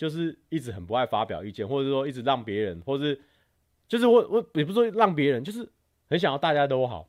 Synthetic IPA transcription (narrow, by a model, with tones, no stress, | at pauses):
t͡ɕjo˥˧ʊʂ̬ɻ̩˥˩i˥˩t͡sɻ̩˨˥xə˨˩npu˧˦a˥˩ɪfa˦pjɑ˨˩ʊy˥˧t͡ɕɛ˥˨nxwɔ˥˧˩ʂ̩˥˩swɔ˦i˥˩ʈ͡ʂɻ̩˨˩ɻɑ˥˩ŋpjɛ˧˥ɻə˨˧˦nwɔ˥˩ʂɻ̩˥˩ | t͡ɕjo˥˧ʊʂɻ̩˥˩xwwɔ˥˩pi˨˩pu˧˥wɔ˥lɑ˥˨˩ŋp̬jɛ˧˥ɻə˦nt͡ɕjo˥˧ʊʂ̬ɻ̩˥˩ | hə˧˦nɕ̬ŋjɑ˥˧t̪a˥˧t͡ɕja˦˥t̪o˥˦ʊxɑ̰˨˩˦ʊ